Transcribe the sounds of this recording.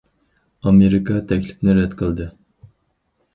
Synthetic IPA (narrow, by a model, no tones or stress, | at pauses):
ɑmeɾikʰɑt̪ʰɛkʲlɪpnɪɾɛd̪qʰəlˠd̪ɨ